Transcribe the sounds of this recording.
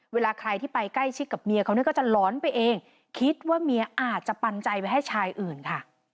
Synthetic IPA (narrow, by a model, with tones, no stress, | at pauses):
weː˧laː˧kʰɾa˧jt̪ʰiː˥˩pa˧jkla˥˩jt͡ɕʰi˦˥k̚kːa˨˩p̚mi˧əkʰa˦˥wni˥˩˦kɔ˥˩t͡ɕa˨˩lɔː˨˦npa˧jʔeː˧ŋ | kʰi˦˥t̪̚waː˥˩mi˧ɐʔaː˨˩t̪̚t͡ɕa˨˩pa˧nt͡ɕa˧jpa˧jɦa˥˩jt͡ɕʰaː˧jʔɯː˨˩nkʰa˥˩